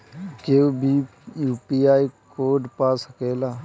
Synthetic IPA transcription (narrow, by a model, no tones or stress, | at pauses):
kebʱi | juːpiːaːikoːɖpaːsəkeːlaː